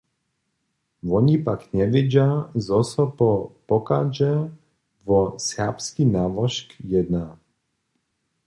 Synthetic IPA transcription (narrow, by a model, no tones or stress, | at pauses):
vɔɲipakɲɛʋiɟjazɔsɔpɔpɔkad͡ʒɛ | vɔsɛpskinaʋɔʃkjɛd̪na